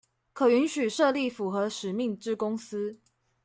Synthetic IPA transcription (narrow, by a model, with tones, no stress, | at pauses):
kʰɤ˨˩y˧˥nɕy˨˩ʂɤ˥˧li˥˨fu˨˦xɤ˧˦ʂɻ̩˨˩mi˥˨ŋʈ͡ʂɻ̩˥kʊ˥ŋs̩˥